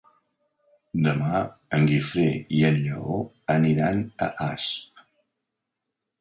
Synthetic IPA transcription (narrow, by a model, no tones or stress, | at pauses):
d̪əmaəŋɡifɾeiənʎo | əniɾanə̰ʔasp̚